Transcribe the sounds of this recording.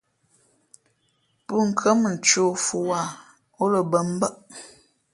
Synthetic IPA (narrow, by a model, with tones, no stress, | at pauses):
pə˦ŋ̩˨kʰə˦mə˨n̩˨t͡ʃo˦fu˦wa˦˨ | o˦lə˨bə˦m˦bə˦ʔ